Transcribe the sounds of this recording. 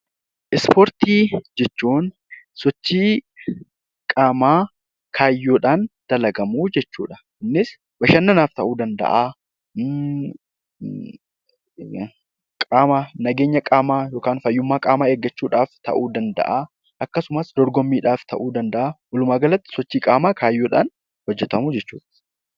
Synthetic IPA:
ʔɪspɔɾt̪iːd͡ʒɛt͡ʃːuːn | sɔt͡ʃːiː | kʼaːmaː | kʰaːjːoːᶑaːnd̪̥ɐlɐɡɐmuːd͡ʒɛt͡ʃːṵːᶑɐ̥ | nːɪs | bɐʃɐnːɐnaːft̪ɐʔuːd̪ɐnd̪ɐ̰ʔaː | kʼaːmanɐɡe̞ːɲːɐkʼaːmaːjo̞ːkaːnfɐjːʊmːaːkʼaːmaːeːɡːɐt͡ʃːuːᶑaːft̪ɐ̰ʔuːd̪ɐnd̪ɐ̰ʔaː | ʔɐkːɐsʊmɐsd̪ɔɾɡɔmːiːᶑaːft̪ɐʔuːd̪ɐnd̪ɐʔaːwɔlʊmaːɡɐlɐt̪ːɪ̥sɔt͡ʃːiːkʼaːmaːkʰaːjːoːᶑa̰ːn | hɔd͡ʒːɛt̪ɐmuːd͡ʒɛt͡ʃːṵːᶑɐ̥

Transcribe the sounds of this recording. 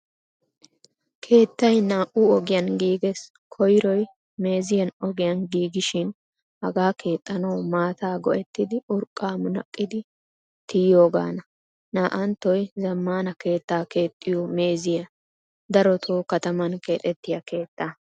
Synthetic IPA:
kʰe̞ːt̪ːɐjnaːʔuɔɡɪjɐnɡiːɡes | kʰɔjɾɔj | me̞ːzɪjɐnɔɡɪjɐnɡiːɡɪʃɪn | hɐɡaːkʰe̞ːt̪ʼːɐnɐwmaːt̪aːɡɔʔɛt̪ːɪd̪ɪʔʊɾkʼːaːmʊnɐ̰kʼːɪd̪ɪ | t̪ɪjo̞ːɡa̰ːnɐ | naːʔɐnt̪ːɔjzɐmːaːnɐke̞ːt̪ːaːke̞ːt̪ʼːɪjome̞ːzɪjɐ | d̪ɐɾɔt̪ʰoːkɐt̪ɐmɐnke̞ːt̪ʼɛt̪ːɪjɐke̞ːt̪ːa

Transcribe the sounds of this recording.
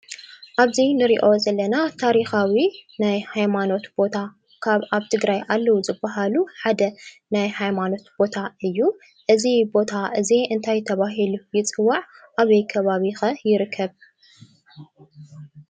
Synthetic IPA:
ʔaβzinɨɾiʔo̞zɐlːɐnat̪ʰaɾixawinajhajmano̞t̪b̥o̞t̪ʰa | kʰaβʔaβt̪ʰɨɡɾajʔalːɐwuzɨbːaɦaluħad̪ɐ | najhajmano̞t̪b̥o̞t̪ʰaɨjːu | ʔɨzibo̞t̪ʰaʔɨziɨnt̪ʰajt̪ʰɐβaɦilujɪt͡sʼɨwːaʕʔaβɐjkʰɐβaβixɐjɪɾɨkʰːɐβ

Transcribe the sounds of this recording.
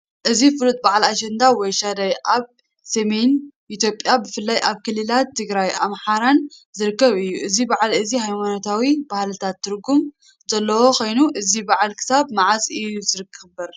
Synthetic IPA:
ʔɨzifɨlut̪̚ʼbaʕlaʃɛnd̪awɔjʃad̪ajʔaβ | semenʔit̪ʰjopʼjabɨfɨlːajʔaβkʰɨlːɨlat̪ʰːɨɡɾajamħaɾanzɨɾɨkːɐβɨjːuʔɨzibaʕlɨzihajmanot̪ʰawibahlɨt̪ʰat̪ʰːɨɾɡum | zɐlːɐwo̞xʰo̞jnuʔɨzibaʕalkʰɨ̥saβmaʕazʼɨjuzɨɾɨkʰːɨbɐɾ

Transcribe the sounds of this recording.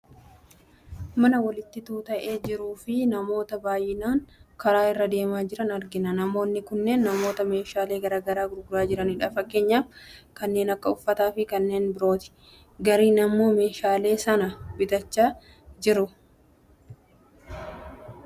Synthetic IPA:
mɐnɐwɐlɪt̪ːɪt̪uːt̪ɐʔe̞ːd͡ʒɪɾuːfɪnɐmo̞ːt̪ɐbaːjːɪnaːŋkɐɾaːɪrːɐd̪e̞ːmaːd͡ʒɪɾɐnɐɾɡɪnɐnɐmo̞ːnːɪkʊnːe̞ːnːɐmo̞ːt̪ɐme̞ːʃaːle̞ːɡɐɾaːɡɐɾaːɡʊɾɡʊɾaːd͡ʒɪɾɐnɪᶑɐːfɐkːe̞ːɲːaːfkɐnːe̞ːnɐkːɐʊfːɐt̪aːfɪkɐnːe̞ːnbɪɾo̞ːt̪ɪ̥ | ɡɐɾiːnɐmːo̞ːme̞ːʃaːle̞ːsɐnɐbɪt̪ɐt͡ʃːaː | d͡ʒɪɾʊ

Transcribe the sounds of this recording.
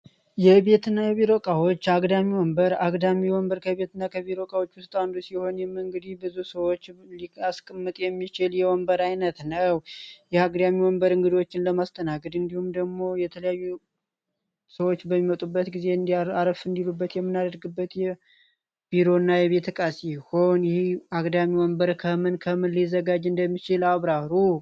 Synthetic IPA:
jɛβe̞t̪ɨnːajɛβiɾo̞kʼawot͡ʃːaɡd̪amiwɔmbəɾaɡd̪amiwɔmbəɾkʰəβe̞t̪ɨnːakʰəβiɾo̞kʼawot͡ʃːwʊst̪ʼwand̪usiho̞njɛmɨŋɡɨd̪ibɨzusəwot͡ʃːliaskʼəmːɨt̪ʼjɛmːit͡ʃɪljɛwɔmbəɾajnət̪nəwjɛaɡd̪amiwɔmbəɾɨŋɡɨd̪wot͡ʃːɪnləmast̪ʰənaɡəd̪ɨnd̪ihumd̪əɡmo̞jɛt̪ʰələjajːu | səwot͡ʃːbəmːimət̪ʼubːət̪ɡize̞ɨnd̪aɾəfɨnd̪ilubːət̪jɛmːɨnːad̪əɾɡɨbːət̪jɛ | b̥iɾo̞nːajɛβe̞t̪ʰəkʼasiho̞njɪhakʼd̪amiwɔmbəɾkʰəmɨnkʰəmɨnlizːəɡad͡ʒɨnd̪əmːit͡ʃɪlaβɾaɾu

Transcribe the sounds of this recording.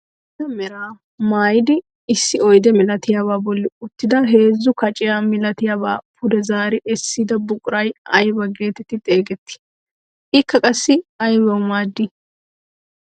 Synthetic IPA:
dɐmɛɾaː | maːjɪd̪ɪː | sːɪɔjd̪ɛmɪlɐt̪ɪjaːβaːbɔlːɪʊt̪ːɪd̪ɐɦe̞ːzːʊkɐt͡ʃʼɪjaːmɪlɐt̪ɪjaːba̰ːpʰʊd̪ɛzaːɾɪʔɛsːɪd̪ɐbʊkʼʊɾɐjɐjbɐɡe̞ːt̪ɛt̪ːɪt̪ʼe̞ːɡɛt̪ːɪ̥ | ɪkːɐkʼɐsːɪɐjbɐwmaːd̪ːɪ

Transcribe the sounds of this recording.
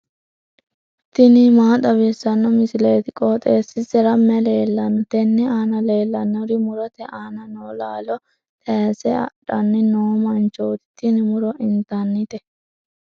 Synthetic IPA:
t̪ɪnɪmaːt̪ɐbesːɐnːɔmɪsɪlet̪ɪkʼɔt̪ʼeːsːɪsɛɾɐmːɛle̞ːlːɐnːɔt̪ɛnːɛaːnɐle̞ːlːɐnːɔɾɪmʊɾɔt̪ɛʔaːnɐnoːlaːlɔ | t̪ʼɛːsɛɐ̰ᶑɐnːɪnoːmɐnt͡ʃoːt̪ɪt̪ːɪnɪmʊɾɔʔɪnt̪ɐnːɪt̪ɛ

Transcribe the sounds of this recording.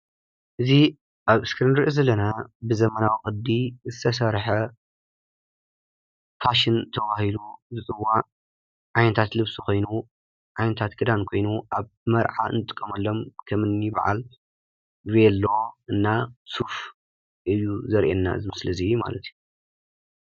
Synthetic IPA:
ʔɨzi | ʔaβɨskʰɾɐnd̪ɾʔozɐlːɐnabɨzɐmɐnawikʼɨd̪izɨt̪ʰɐs̬ɐɾħɐ | fʰaʃint̪ʰɐβahiluzɨt͡sʼɨwa | ʕajnɐt̪ʰat̪lɨβsuko̞jnu | ʕajnɐt̪ʰat̪ɡʰɨd̪ankʰo̞jnuʔaβmɐɾʕa̰ɨ̰nɨt̪ʼɨ̥kʼːɐmɐlːo̞mkʰɐmɨnːiba̰ʕa̰l | βelːoʔɨnːasuf | ʔɨjuzɐɾʔenːa̰zɨmɨslzijuma̰lɐt̪ʰju

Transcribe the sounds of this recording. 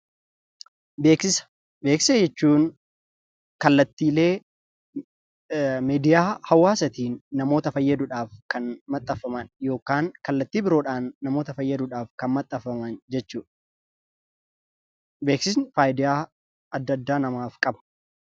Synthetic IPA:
beːksɪs | be̞ːkssed͡ʒɛt͡ʃːuːn | kɐlːɐt̪ːiːle̞ː | meːd̪ɪjaːhɐwːaːsɐt̪iːnːɐmo̞ːt̪ɐfɐjːɐd̪uːᶑaːfkɐnmɐt̪ʼːɐfːɐmɐnjo̞ːkaːŋkɐlːɐt̪ːiːbɪɾo̞ːᶑaːnːɐmo̞ːt̪ɐfɐjːɐd̪uᶑaːfkɐnmɐt̪ʼːɐfːɐmɐnd͡ʒɛt͡ʃːuːᶑ | be̞ːksɪs̬nɪfaːjd̪ɪjaː | ɐd̪ːɐd̪ːaːnɐmaːfkʼɐbɐ

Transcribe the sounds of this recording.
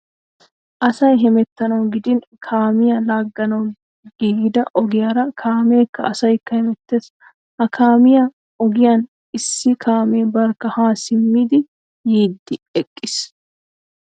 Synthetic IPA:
ʔɐsɐjɦɛmɛt̪ːɐnɐwɡɪd̪ɪn | kʰaːmɪjɐlaːɡːɐnɐw | ɡ̥iːɡd̪ɐʔɔɡɪjaɾɐkʰaːme̞ːkːɐɐsɐjkːɐhɛmɛt̪ːe̞ːs | ʔɐkʰaːmɪjɐ | ɔɡɪjan | ɪsːɪkʰaːme̞ːbɐɾkːɐhaːsɪmːiːd̪ɪ | jiːd̪ːɪɛkʼːɪs

